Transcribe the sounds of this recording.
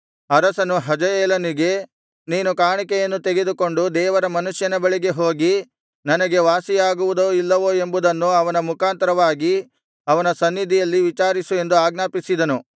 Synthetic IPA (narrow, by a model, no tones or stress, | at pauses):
ɐɾɐsɐnuɦɐd͡ʒɐjɛːlɐniɡe̞ | niːnukaːɳikɛjɐnːut̪eɡe̞d̪uko̞ɳɖud̪ɛːʋɐɾɐmɐnuʂjɐnɐbɐɭiɡe̞ɦo̞ːɡi | nɐnɐɡe̞ʋaːsijaːɡuʋud̪oilːɐʋoːe̞mbud̪ɐnːuɐʋɐnɐmukʰaːnt̪ɐɾɐʋaːɡi | ɐʋɐnɐsɐnːid̪ʱijɐlːiʋit͡ʃaːɾisue̞nd̪uaːɡnaːpisid̪ɐnu